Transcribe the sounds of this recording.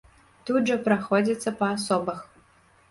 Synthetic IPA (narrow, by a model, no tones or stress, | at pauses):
t̪ud̪ʐɐpɾaxɔd͡zʲit̪sːɐpɐːsɔbɐx